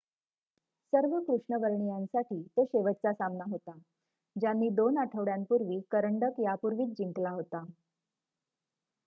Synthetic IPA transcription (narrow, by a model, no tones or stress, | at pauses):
səɾʋəkɾuʂɳəʋəɾɳijansaʈiːt̪oɕeʋət̪̚t͡sasamnaɦot̪a | d͡ʑanːiːd̪onaʈʰəʋɽjampuɾʋiːkəɾəɳɖəkjapuɾʋiːt͡s̪̚d͡ʑiŋklaɦot̪a